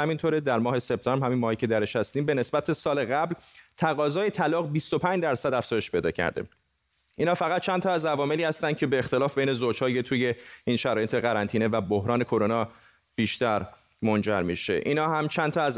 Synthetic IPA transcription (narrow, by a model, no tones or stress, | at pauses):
æmint̪ʰoɾed̪æɾmɒːɦe̞se̞b̚t̪ʰɒːmbɾhæminmɒːhiːcʰe̞d̪æɾeʃhæst̪iːmbe̞ne̞sbæt̪ʰesɒːle̞ɣæblt̪ʰæɣɒːzɒːje̞t̪ʰælɒːɣbist̪o̞pʰæɲd͡ʒd̪æɾsæd̪æfz̥ɒːje̞ʃpʰe̞jd̪ɒːcʰæ̰ɾd̪e | ʔiːnhɒːfæɣæt̪̚t͡ʃʰænt̪ʰɒːæzævɒːme̞liːhæst̪ænd̪̥̚cʰe̞beːxt̪e̞lɒːfb̥ejne̞zod͡ʒhɒːjet̪ʰuːje̞iːnʃæɾɒːjet̪ʰe̞ɣæɾænt̪ʰiːnevæbohɾɒːne̞kʰo̞ɾonɒː | b̥iːʃt̪æɾ | mond͡ʒæ̰ɾmiʃe̞̰ʔḭːnhɒːɦæmt͡ʃʰænt̪ʰɒæz